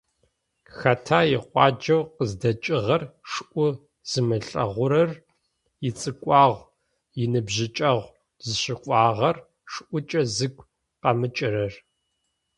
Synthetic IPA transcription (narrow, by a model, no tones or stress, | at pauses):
xɐtʰaːjɪqʷʼɑːd͡ʒɐwqəzdɐt͡ʃʼɪʁɐrʂɨʔʷʊ | z̥ɨmɨɬʼɐ̰ʁʷʊɾɐr | jɪt͡sʼɨkʷʼɑːʁʷ | jɪnɨbʑɪt͡ʃʼɐʁʷ | zɨɕɪqʷʼɑːʁɐr | ʂɨʔʷʊt͡ʃʼɐzɨɡʷ | qɐmɨt͡ʃʼɪrɐr